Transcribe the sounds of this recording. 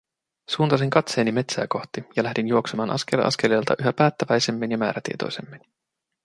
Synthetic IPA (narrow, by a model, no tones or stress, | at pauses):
suːnt̪ɑs̬eŋkɑt̪se̞ːnime̞t̪sæ̰ːko̞xt̪ijɑlæhdinjuo̞ksemɑːnʔɑ̰ske̞lʔɑ̰ske̞leːlt̪ɑ̰ʔyɦæpæːt̪ːæʋæjse̞mːinjɑmæ̰ːɾæt̪ḭet̪o̞̰jse̞̰mːin